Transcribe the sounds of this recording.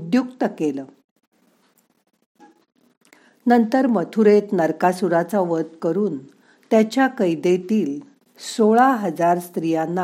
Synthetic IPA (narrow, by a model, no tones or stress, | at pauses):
ud̪juk̚t̪əkelə | nənt̪əɾmət̪ʰuɾet̪nəɾkasuɾat͡saʋət̪kəɾuːn | t̪jat͡ɕjakəjd̪et̪iːl | soɭaɦəd͡zaɾst̪ɾijanːa